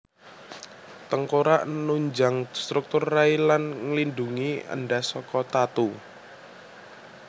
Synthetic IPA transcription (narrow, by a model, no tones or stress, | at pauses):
t̪əŋkoɾaʔnnuɲd͡ʒaŋst̪ɾuk̚t̪ʊrːailanŋəlinduŋiə̰nɖasɔkɔt̪at̪u